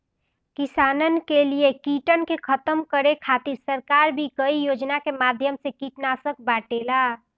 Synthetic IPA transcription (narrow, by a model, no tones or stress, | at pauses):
kisanənkelijekiʈənkekʰət̪əmkəɾekʰat̪iɾsəɾkaɾbʱikəijod͡ʒnakemad̪ʱjəmsẽkiʈnasək̚baʈela